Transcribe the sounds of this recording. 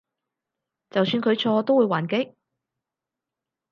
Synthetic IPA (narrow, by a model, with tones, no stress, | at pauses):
t͡sɐ˨wsyː˧nkʰɵ˨˧ɥt͡ʃʰɔː˧t̪o˥wuː˨˧jwaː˨˩nkɪ˥k̚